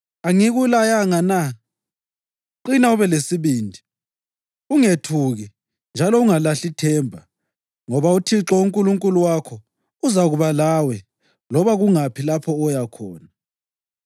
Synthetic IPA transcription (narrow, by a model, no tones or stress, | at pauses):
aŋiɣulajaŋana | ǃinauβɛlesiβiːndʱi | uŋetʰuɣi | nd͡ʒʱalɔuŋalaɬitʰɛːmbʱa̰ | ŋɔβautʰiǁɔuŋkʼuluŋkʼuluwakʰɔ | uzaɣuβalawɛ | lɔβaɣuŋapʰilapʰɔːjakʰɔːna